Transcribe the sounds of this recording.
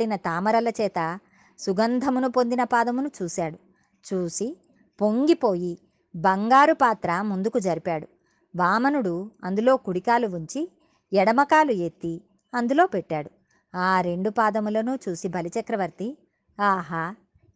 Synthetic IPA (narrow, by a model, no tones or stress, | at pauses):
inɐt̪aːmɐɾɐlɐt͡ʃɛːt̪ɐ | suɡɐnd̪ʱɐmunupo̞nd̪inɐpaːd̪ɐmunut͡ʃuːsaːɽu | t͡ʃuːsi | po̞ŋɡipo̞ːji | bɐŋɡaːɾupaːt̪ɾɐmund̪ukud͡ʒɐɾipaːɽu | ʋaːmɐnuɽuɐnd̪ulo̞ːkuɽikaːluuɲt͡ʃi | ɛɽɐmɐkaːluet̪ːi | ɐnd̪ulo̞ːpeʈːaːɽu | aːɾe̞ɳɖupaːd̪ɐmulɐnut͡ʃuːsibʱɐlit͡ʃɐkɾɐʋɐɾt̪i | aːɦaː